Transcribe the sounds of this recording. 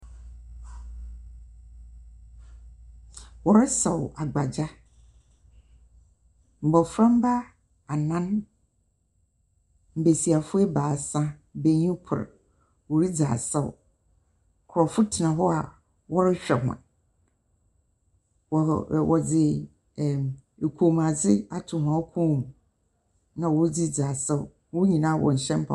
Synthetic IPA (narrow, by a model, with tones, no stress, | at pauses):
wɔ˨ɾɪ˦sɛ˨wa˨ɡ͡ba˨d͡ʑa˦ | m̩˨bɔ˨fɾã˦m˦ba˦ | a˨nã˦n | m̩˨be˨si˨a˨fʊ˦ɛ˦baː˨sã˦be˨ɲũ˦pʰʊ̰˨ɾ | wo˨ɾi˦d͡za̰ː˨sɛ˦ʊ̰˨ | kʰɔ˨fʊ˦tʰɪ˨nã˨ɦɔ˦a˨ | wɔ˦ɾɪ˦ɕᶣɛ˨hã̰˨ | wɔ˨wɔ˨d͡zɪ˨ | e˨kʷʰo˨ma˨d͡zɪ˦a˦tʰʊ˨mã˨wkʰũ˦˨mũ˨ | nã˨wɔ˦d͡zi˦d͡zaː˨sɛ̰˦˨ | wo˦ɲĩ˨nãː˦˨wɔ̰˨ɲ̩˨ɕɛ̃˦m˦pʰa̰˨